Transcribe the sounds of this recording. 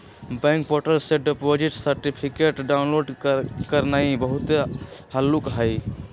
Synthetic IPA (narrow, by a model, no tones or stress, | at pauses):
bə̃ŋk̚poʈəlseɖepod͡ʒiʈsəɾʈipʰikeʈɖaunloɖkəɾnaibəɦut̪həlːukɦəj